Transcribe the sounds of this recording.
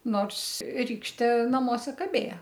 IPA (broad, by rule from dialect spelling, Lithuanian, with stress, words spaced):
ˈnoːrs ˈrʲiːkʃʲtʲeː nɐˈmuɔsʲɛ kɐˈbʲeːjɛ